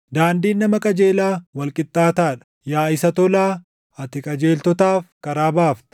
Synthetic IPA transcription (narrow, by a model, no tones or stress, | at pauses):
d̪aːnd̪iːnːɐmɐkʼɐd͡ʒe̞ːlaːwɐlkʼɪt̪ʼːaːt̪aːᶑɐ̥ | jaːɪsɐt̪ɔlaː | ɐt̪ɪkʼɐd͡ʒe̞ːlt̪ɔt̪aːfkɐɾaːbaːft̪